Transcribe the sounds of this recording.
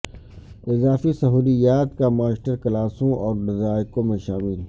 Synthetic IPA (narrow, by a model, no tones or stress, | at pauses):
ɪzaːfisɐɦuːlijaːt̪kamaːsʈəɾkɐlaːsõʔɔːɾɖɪzaːjkõmẽʃaːmɪl